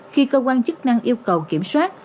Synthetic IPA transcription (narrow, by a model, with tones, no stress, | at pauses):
xi˧kəː˧kwaː˧nt͡ɕə˦˥k̚na˧ŋʔi˧əwkə˨˩wki˧˩əmswaː˦˥t̚